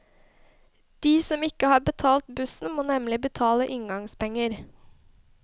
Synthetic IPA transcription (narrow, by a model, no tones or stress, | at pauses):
d̪̥iːsɔmɪkəhɑːbət̪ʰɑːlt̪bʉsn̩moːnɛmlɪbət̪ʰɑːləʔɪŋɡɑŋspɛŋːəɾ